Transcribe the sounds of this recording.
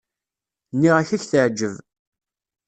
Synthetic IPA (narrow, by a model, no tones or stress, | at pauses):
nːiʁæçæçθəʕd͡ʒːəv